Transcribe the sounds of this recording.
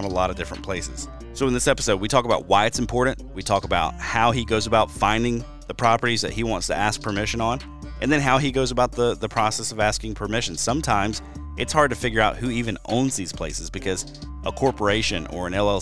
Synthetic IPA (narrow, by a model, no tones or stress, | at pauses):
məlɔɾʌvdɪfɹə̃npʰl̥eɪsɨ̰z̥ | soʊə̃nðɪsɛpə̥soʊd̚witʰɔkəbaʊt̚waɪɨtsm̩pʰɔɹʔn̩twitʰɔkəbaʊt̚haʊiɡoʊzəbaʊtfãɪ̃ndɪ̃ŋ | ðɨpʰɹ̥ɑpə˞ɾizðɨ̰t̚hiwɑ̃ntstʰɨ̰æsk̚pʰə˞mɪʃɨ̃nə̃n̩ | ʔɨ̃nðɨ̃nɦaʊiɡoʊzəbaʊt̪̚ðəðəpʰɹ̥ɑsɛsʌvæskɪ̃ŋpʰə˞mɪʃɨ̃n̩sʌ̃mtʰãɪ̃mz̥ | ʔɨtshɑɹd̚tɨfɪɡjə˞aʊt̚hʉivɨ̃nʔõ̰ʊ̃nzðiz̥pʰl̥eɪsɨzbɨkʰʌz | ʔəkʰɔɹpə˞eɪʃɨ̃nə̰˞ɨ̃nɛlˠɛ